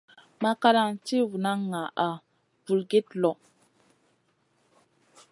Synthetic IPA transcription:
ma˦ka˦ɾa˦nti˦wu˨na˦ŋːa˨ʔa˨ | bu˨lɡe˦tlɔ˨

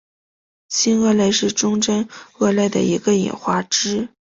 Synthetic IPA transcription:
ɕi˥nɤ˥˧le˥˧ɪʂɻ̩˥˩ʈ͡ʂʊ˥ŋʈ͡ʂə˥nɤ˥˧la˥˩ɪd̪ə̰˩i˧˥ɡə˧ḭ˨˩nxwa˥˩ʈ͡ʂɻ̩˥

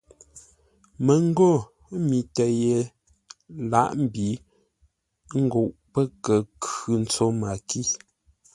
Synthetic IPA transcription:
mə˨ŋ˦ɡo˦˨ | mi˨tə˨je˨ | la̰˦ʔm̩˦bi˨ | ŋ̩˦ɡo˨ʔpə˦kə˨kʉ˨n̩˦t͡so˦ma˨ki˦˨

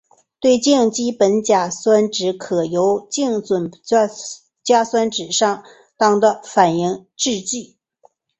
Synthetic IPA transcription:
t̪we˥˩˧ɪt͡ɕi˥˧ŋt͡ɕi˥pə˧˥nt͡ɕja˨˩swa˥nʈ͡ʂɻ̩˧˥kʰɤ˨˩jo˧˥ʊt͡ɕi˥˩ŋt͡swə˨˩n˥ | t͡ɕja˥swa˥nʈ͡ʂɻ̩˨˩ʂɑ˥˩ŋ | t̪ɑ˥ŋd̪ə˧fa˨˩ni˥˧ŋʈ͡ʂɻ̩˥˧t͡ɕi˥˩

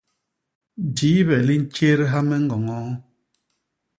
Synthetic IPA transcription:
di˨˦βɛ˨li˦n̩˦t͡ʃe˦ɾɦa˦mɛ˦ŋ̩˦ɡɔ˨ŋɔ˦

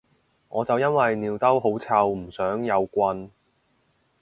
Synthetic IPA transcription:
ŋɔː˨˧t͡sɐ˨wjɐ˥nwɐ˨jniː˨wt̪ɐ˥wɦo˨˥wt͡sʰa˧wm̩˨˩sœː˨˥ŋjɐ˨˧wkʷɐ˧n

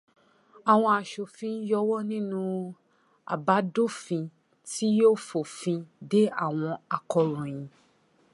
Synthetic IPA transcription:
a˨w̃ɔ̃˧a˨ʃo˨fĩ˧n˦jɔ˧wɔ˦nĩ˦nũ˧ | a̰˨ba˨˦do˦˨fĩ˧ | ti˦jo˦fo˨fĩ˧de˦a̰˦˨w̃ɔ̃˧a˨kɔ˧ɾɔ̃˨j̃ĩ˧

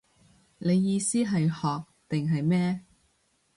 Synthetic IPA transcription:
ne˨˧jːiː˧siː˥ɦɐ˨jhɔː˨k̚t̪ɪ˨ŋɦɐ˨jmɛː˥

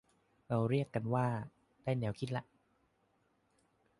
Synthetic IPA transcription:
ɾa˧wɾi˥˩əkːa˧nwaː˥˩ | d̥aː˥˩jnɛː˩˦wkʰi˦t̪̚la˧˥ʔ

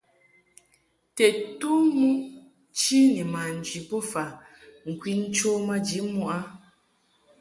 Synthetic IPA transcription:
tɛ˨tu˦mu˦ʔ | t͡ʃi˦nɛ˨ma˨n̩˨d͡ʒi˨po˦fa˨ | ŋ̩˨kwi˦n̩˦t͡ʃo˦ma˦d͡ʒi˨˦mu˦˨ʔa˦

